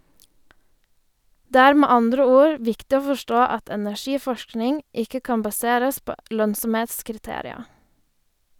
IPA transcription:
ˈdeː ˈæːɾ ˈmeː ˈɑndɾə ˈuːɾ ˈʋɪktɪ ˈoː fɔˈʃtoː ˈɑt ɛnæˈçiːˌfɔʃknɪŋ ˈɪkə ˈkɑːn bɑˈseːɾəs ˈpoː ˈlœnsɔmˌheːtskɪɾˌteːɾɪɑ

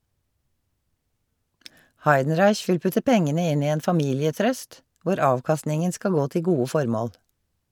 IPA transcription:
ˈhɑɪdn̩ˌɹɑɪç ˈʋɪl ˈpʉtə ˈpɛŋənə ˈɪn ˈiː ˈeːn fɑˈmiːlɪəˌtɾœst ˈʋʊɾ ˈɑːʋˌkɑstnɪŋən ˈskɑl ˈɡoː ˈtɪl ˈɡuːə ˈfɔɾˌmoːl

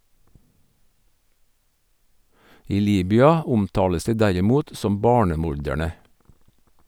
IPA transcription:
ˈiː ˈliːbʏɑ ˈʊmˌtɑːləs ˈdiː ˈdæɾɪˌmuːt ˈsɔm ˈbɑːɳəˌmʊɾdæɳə

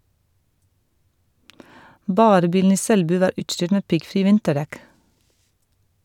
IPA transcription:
ˈbɑːɾə ˈbiːln̩ ˈiː ˈsɛlˌbʉː ˈʋɑːɾ ˈʉːʈˌʃʈʏʈ ˈmeː ˈpɪɡˌfɾiː ˈʋɪntəˌɖɛk

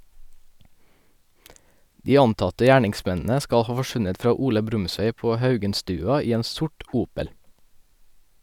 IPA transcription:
ˈdiː ˈɑntɑtə ˈjæːɳɪŋˌsmɛnn̩ə ˈskɑ ˈhɑː fɔˈʃʉnət ˈfɾɑː ˈuːlə ˈbɾʉmˌsʋeɪ ˈpoː ˈhɑʉɡənˌstʉːɑ ˈiː ˈeːn ˈsʊʈ ˈuːpəl

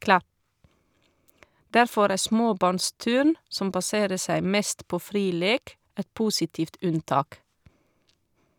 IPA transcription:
ˈdæɾfɔɾ ˈæː ˈsmoːˌbɑːɳˌstʉːɳ ˈsɔm bɑˈseːɾə ˈsæɪ ˈmɛst ˈpoː ˈfɾiː ˈleːk ˈɛt ˈpuːsɪtiːft ˈʉnˌtɑːk

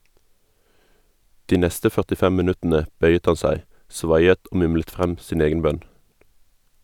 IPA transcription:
ˈdiː ˈnɛstə fœʁtɪˈfɛm mɪˈnʉtənə ˈbœʏət ˈhɑn ˈsæɪ ˈsʋɑjət ˈoː ˈmʊmlət ˈfʁɛm ˈsiːn ˈeːɡən ˈbœn

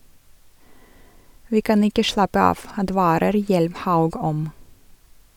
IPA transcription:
ˈʋiː ˈkɑn ˈɪkə ˈʃɭɑpə ˈɑːʋ ɑˈdʋɑːɾəɾ ˈjɛlmˌhɑʉɡ ˈɔm

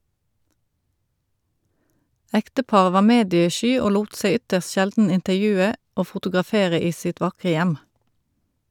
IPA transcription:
ˈɛktəˌpɑːʁə ˈʋɑːʁ ˈmeːdjəˌʃyː ˈoː ˈluːt ˈseɪ ˈʏtəʁst ˈʃɛldn̩ ɪntəʁˈjʉːə ˈoː fʊtʊɡʁɑˈfeːʁə ˈiː ˈsɪt ˈʋɑkʁə ˈjæm

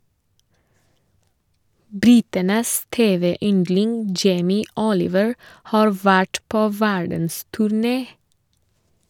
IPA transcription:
ˈbɾɪtənəs ˈteːˌʋeː ˈʏndlɪŋ ˈd͡ʒeɪmɪ ˈɔlɪʋəɹ ˈhɑːɹ ˈʋæʈ ˈpoː ˈʋæɖn̩stʉɾˌneː

